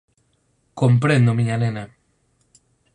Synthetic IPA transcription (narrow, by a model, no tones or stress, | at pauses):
kompɾẽnd̪omiɲanena